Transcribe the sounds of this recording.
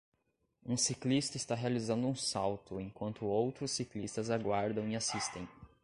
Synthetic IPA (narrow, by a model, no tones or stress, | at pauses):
ũsiklist̪ɐɪst̪aɦealizɐ̃nd̪ʊũsawt̪ʊẽkwɐ̃nt̪ʊowt̪ɾʊsːiklist̪ɐzaɡwaɾd̪ɐ̃w̃iasist̪ẽj̃